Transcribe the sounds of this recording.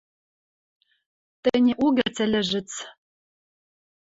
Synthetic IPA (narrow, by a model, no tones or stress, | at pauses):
t̪ɘ̆nʲĕʔuɣʲɘ̆rt͡sɘ̆lʲɘ̆ʒɘ̆t͡s